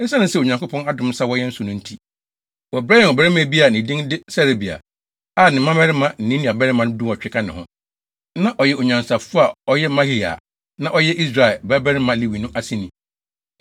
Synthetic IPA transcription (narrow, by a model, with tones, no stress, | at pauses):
sa˦nʊ̃˦sɛ˦˨o˨ɲã˨ŋkʊ˦pʰɔ̃˦na˦dʊ̃˦m˦sa˦wɔ˦jɛ˦n̩˦sʊ˨nʊ̃˦n̩˦tʰi˦ | wɔ˨bɾa˦jɛ˨ɔ˨bɛ˦ɪ˦mã˦˨˦bi˦a˨nɪ̃˨dĩ˦ŋdɪ˦sɛ˦ɾe˨bi˨a̰˨ | a˦˨nɪ̃˨mã˦mɛ˦ɾɪ˦mã˦n̩˨nĩ˦nĩ˨a˨bɛ˦ɾɪ˦mã˨ñ˦dũ˦˨ɔ˨t͡ɕᶣɪ˦kʰa˦nɪ̃˨hʊ̰̃˦ | nã˦ʔɔ˨jɛ˦o˨ɲã˨n˨sa˨fu˦a˨ɔ˦jɛ˦mã˦hi˦˨a̰˨ | nã˦ʔɔ˦jɛ˦ʔi˦s̬ɾa˨ba˦bɛ˦ɾɪ˦mã˨li˦wi˨nũ˦ʔa˦sĩ˦nĩ˨